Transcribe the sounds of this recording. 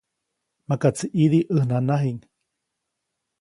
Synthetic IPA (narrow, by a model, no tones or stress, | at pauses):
makat͡siʔiðiʔəhnanaɦiŋ